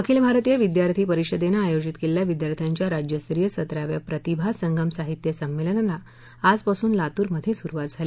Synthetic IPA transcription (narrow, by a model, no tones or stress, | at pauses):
əkʰilbʱaɾt̪ijəʋid̪jaɾt̪ʰiːpəɾiɕəd̪enaːjod͡ʑit̪keljaʋid̪jaɾt̪ʰjaɲt͡ɕjaɾad͡ʑjəst̪ɾijəsət̪ɾaʋjapɾət̪ibʱasəŋɡəmsaɦit̪jəsəmːelənala | ad͡zpasuːnlat̪uːɾməd̪ʱːjesuɾuʋat̪̚d͡zʱali